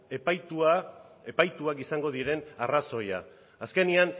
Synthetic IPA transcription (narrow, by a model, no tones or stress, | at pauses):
epajt̪uaepajt̪uakisaŋɡo̞ðiɾe̞naraso̞ja̰ː | ske̞nian